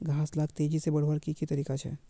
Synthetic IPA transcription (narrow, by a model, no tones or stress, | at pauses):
ɡʱãːslaːk̚ʰt̪eːd͡ʒisebɐɽ̤wəɾkikit̪ɐɾiːkat͡ʃʰɛ̰ː